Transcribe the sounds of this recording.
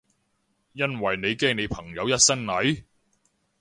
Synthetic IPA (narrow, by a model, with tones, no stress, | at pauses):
jɐ˥nwɐ˨˩jne˨˧jkɛː˥ŋne˨˧jpʰɐ˨˩ŋjɐ˨˧wjɐ˥t̚sɐ˥ŋnɐ˨˥j